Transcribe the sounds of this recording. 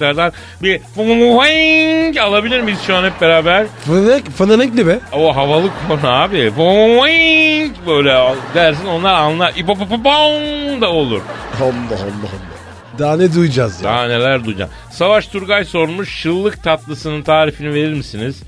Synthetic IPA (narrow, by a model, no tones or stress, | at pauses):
aɾd̪an | bifumumuwaŋcalˠabilʲiɾmisjoanɛp̚be̞ɾaːbæɾ̥fɯnɛcfɯnanɛklimɪoɦavalˠɯkʰːonuaːbifummuaŋcbøjlʲɛad̪æɾsino̞nlˠaɾanlˠaʔip̬op̬opapoŋd̪ao̞lˠuɾ̥olːaɦolˠːaɦolːa | d̪aːnɛd̪ujd͡ʒazja̰ne̞lʲæɾd̪ujd͡ʒa̰m | savaʃt̪ʰuɾɡajso̞ɾnmuʃːɯlˠːɯk̚t̪ʰat̪lˠɯsɯnɯnt̪ʰaːɾifinive̞ɾiɾmisiniz̥